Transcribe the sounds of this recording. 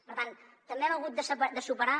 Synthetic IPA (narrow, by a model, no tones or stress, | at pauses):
pəɾt̪ant̪ːəmbeɛməɣ̞ut̪̚d̪əsəpəd̪əsupəɾa